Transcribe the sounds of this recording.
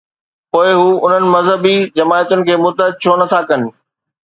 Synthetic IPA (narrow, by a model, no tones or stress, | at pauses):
poːɪɦuːʊn̤ənɪ̆mɐzɦəbid͡ʑɐmaːjət̪ʊnɪ̆kʰeːmʊt̪əɦɪd̪̚t͡ɕʰoːnɐsʰãkɐnɪ̆